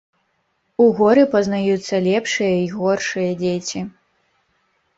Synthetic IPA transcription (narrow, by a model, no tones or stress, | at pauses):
uɣɔɾɨpɐznajut̪sːɐlʲɛpʂɨjɐiɣɔrʂɨjɐd͡zʲet͡sʲi